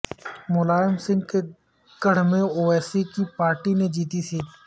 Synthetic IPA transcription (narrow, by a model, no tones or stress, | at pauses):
mʊlaːɪmsɪ̃ŋɡke | ɡəɽ̤mẽoːɛːsikipaːɾʈined͡ʒiːt̪isʰiː